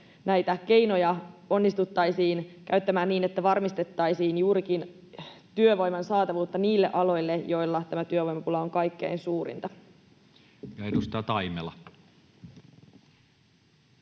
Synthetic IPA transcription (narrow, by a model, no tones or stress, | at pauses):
næjt̪æke̞jno̞jɑo̞nːist̪ut̪ːɑjsiːnkæ̰yt̪ːæmæːnniːne̞t̪ːæʋɑrmist̪e̞t̪ːɑjsiːnjuːɾikin | t̪yøʋo̞jmɑnsɑːt̪ɑʋuːt̪ːɑniːlːe̞ʔɑlo̞jlːejo̞jlːɑt̪æmæt̪yøʋo̞jmɑpulɑo̞ŋkɑjkːe̞̰insuːɾḭnt̪ɑ | jɑenust̪ɑːt̪ɑimelɑ̰